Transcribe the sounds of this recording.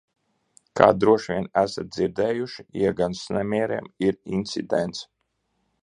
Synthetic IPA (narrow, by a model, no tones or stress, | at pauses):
kʰa̰ːd̪ɾuɔʃvʲʋʲiɛnæsat̪̚d̪ziɾd̪ɛːjuʃiiɡansnʲæmʲiɛɾɛ̰ɛmiɾinʲt̪sʲḭd̪ɛnt̪s